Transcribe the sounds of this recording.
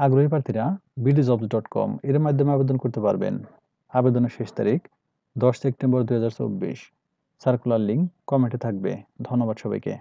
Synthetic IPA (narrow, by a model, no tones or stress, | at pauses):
aɡɾoɦip̬ɾaɾt̪ʰiɾabiɖid͡ʑɔbzɖɔʈkɔ̰meɾmad̪ʱːomeabed̪onkoɾt̪epa̰ɾbḛn | abed̪oneɾʃeʃt̪a̰ɾik | d̪ɔʃsep̚ʈembɔɾd̪ujɦad͡ʑaɾt͡ɕo̰bːḭʃ | saɾkulaliŋkɔmeɳʈit̪ʰak̚bḛd̪ʱonːobad̪ʃɔbajkḛ